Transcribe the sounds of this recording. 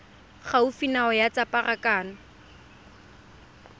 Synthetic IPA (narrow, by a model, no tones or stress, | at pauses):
χaufinaɔjat͡sʼapʼarakʼaːnɔ